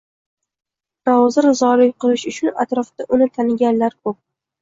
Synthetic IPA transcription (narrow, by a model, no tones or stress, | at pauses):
ɾɒwzɪɾzɒlɪkʲqɨlˠɪʃʊt͡ʃʰʊna̰t̪ɾɒft̪aʔʊnɪt̪ʰanɪɡʲanlaɾkʰʊp̚